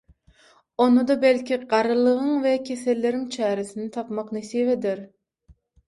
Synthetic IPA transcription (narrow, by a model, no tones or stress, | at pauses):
onɨd̪ɑbɛlkʲiɢɑɾɨlˠəʁəŋvɛkʲʰeselːɪɾɪŋt͡ʃʰæːɾɪsɪnɪt̪ʰɑpmɑqnɨseved̪ɪɾ